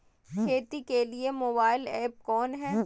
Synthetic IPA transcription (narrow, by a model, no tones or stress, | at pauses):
kʰeːt̪ikeliemoːbaːɪlɛːp̚kɔːnɦɛː